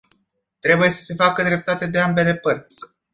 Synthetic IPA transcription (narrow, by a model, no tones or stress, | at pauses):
t̪ɾe̞buje̞sə̥se̞fakəd̪ɾe̞p̚t̪at̪e̞d̪e̞ambe̞le̞pərt̪sʲ